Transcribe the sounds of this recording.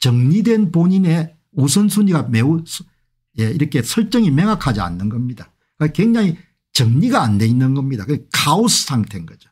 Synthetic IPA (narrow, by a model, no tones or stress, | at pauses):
t͡ɕʌŋɲidwe̞npoɲine̞ | usʰʌnsʰuɲiɡame̞usʰ | jeiɾʌkʰe̞sʰʌɭt͡ɕ͈ʌŋime̞ŋakʰad͡ʑia̰nːɯnɡʌmɲida | kɯkweŋd͡ʑaŋi | t͡ɕʌŋɲiɡaːnde̞inːɯnɡʌmɲidakɯnkʰaosʰɯ̥sʰaŋtʰenɡʌd͡ʑo̥